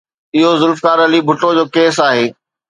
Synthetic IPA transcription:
ɪɦozʊlfkaːɾɐlibʱʊʈod͡ʑoːkeːsaːɦeː

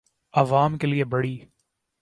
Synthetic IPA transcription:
ɐʋaːmkeliebɐɽiː

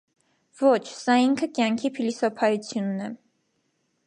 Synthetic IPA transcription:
vɔt͡ʃʰsɑiŋkʰəkjɑŋkʰipʰilisɔpʰɑjut͡sʰjunːɛ

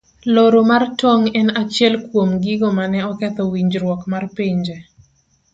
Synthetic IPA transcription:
loɾomartɔŋɛnat͡ʃjɛlkwomɡiɡomanɛɔkɛt̪ɔwiɲd͡ʒɾwɔkmarpiɲd͡ʒe

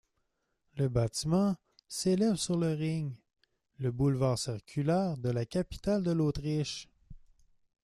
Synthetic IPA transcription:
ləbat̪imɑ̃ | selɛvsyʁləʁɪɲ | ləbulvaːʁsiʁkʲʰylɛːʁd̪əlakʲapi̥t̪ald̪əloːt̪ʁiʃ

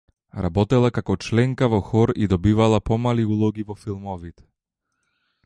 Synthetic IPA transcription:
ɾabɔt̪ɛlˠakakɔt͡ʃlɛŋkavɔxɔɾid̪ɔbivalˠapɔmaliulˠɔɡivɔfilˠmɔvit̪ɛ̥

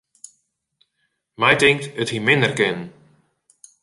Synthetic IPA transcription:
mɛjtɪŋktəthimɪndərkɪnn

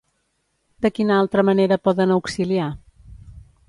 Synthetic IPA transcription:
d̪əkinəalˠt̪ɾəməneɾəpɔðənəwksilia

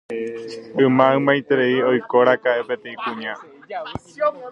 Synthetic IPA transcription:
ɨmãɨ̃mãjt̪eɾeiojkoɾakaepet̪ẽĩkũɲã

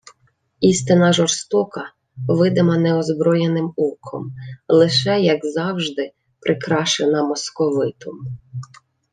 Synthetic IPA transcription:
ist̪ɪnɐʒɔrst̪ɔkɐ | ʋɪd̪ɪmɐnɛɔzbɾɔjenɪmukʰɔ̰mlˠɪʃɛjɐɡzɑwʒd̪ɪ | pɾʔɪkɾɑʃenɐmɔskɔʋɪt̪ɔm

